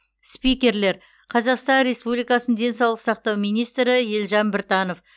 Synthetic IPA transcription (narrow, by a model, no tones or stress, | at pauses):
spikʲe̞ɾle̞ɾ | qʰɑzɑqst̪ɑnɾe̞spublijkɑsənd̪e̞nsɑwlˠəq̪sɑqt̪ɑwmijnijst̪ɾɪjelʒɑnbɪɾt̪ɑno̞f